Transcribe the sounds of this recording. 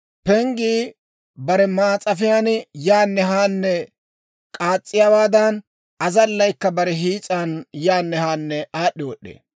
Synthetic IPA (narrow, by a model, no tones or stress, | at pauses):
pɛŋɡiː | bɐɾɛmaːt͡sʼɐfɪjanjaːnːɛɦaːnːɛ | kʼaːt͡sʼːɪjaːwaːd̪ɐn | ɐzɐlːɐjkːɐbɐɾɛɦiːt͡sʼanjaːnːɛhaːnːɛaːɗːɪwɔɗːḛː